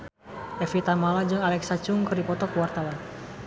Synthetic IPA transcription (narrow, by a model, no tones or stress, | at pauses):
ʔɛfit̪amalad͡ʒɨŋalɛksat͡ʃʊŋkɨrdipɔt̪ɔkuwart̪awan